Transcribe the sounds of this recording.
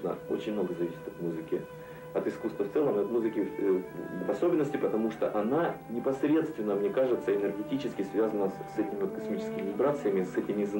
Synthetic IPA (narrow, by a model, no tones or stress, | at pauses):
nə̰o̰t͡ɕɪnʲmno̞ɡəzɐvʲisʲɪ̥t̪ɐt̪muzɨkʲɪ | ɐt̪ɨskust̪vəft̪sɛlˠəmɐt̪muzɨkʲɪ | vɐso̞bʲɪnːəsʲtʲɪpət̪ɐmuʂt̪o̰ʔɐnanʲɪpɐsɾʲe̞t̪st̪vʲɪnːəmnʲekaʐɨt̪səɪnɨrɡʲɪtʲit͡ɕɪskʲɪsvʲazənəsɛtʲɪmʲɪvot̪kɐsmʲit͡ɕɪ̥skʲɪmʲɪvʲɪbɾat̪sɨjəmʲɪsɛtʲɪmʲɪz